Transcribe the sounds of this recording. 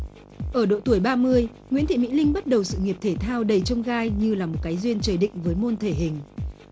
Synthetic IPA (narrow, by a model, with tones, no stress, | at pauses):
ʔəː˧˩ɗo̰˧˨t̪u˧˩əjɓaː˧mɨ˧əj | ŋwi˧˥ənt̪ʰḭ˧˨˩mḭ˧˥lï˧ŋɓə˦˥t̚ɗə˨˩wsɨ̰˧˨ŋi˨˩əp̚t̪ʰe˧˩t̪ʰaː˧wɗə˨˩jt͡ɕə˧wŋ͡mɣaː˧jɲɨ˧laː˨˩mo˨˩t̚kaː˨˦jzwi˧ənt͡ɕəː˧˩ɗḭ̈˧˨ŋ̟vəː˨˦jmo˧nt̪ʰe˧˩ɦï˨˩ŋ̟